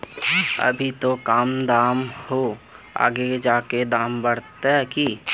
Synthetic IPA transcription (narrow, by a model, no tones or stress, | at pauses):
ə̰bʱit̪okaːmd̪aːmho | a̰ːɡed͡ʒaːked̪aːmbəɽ̤t̪eɦɛki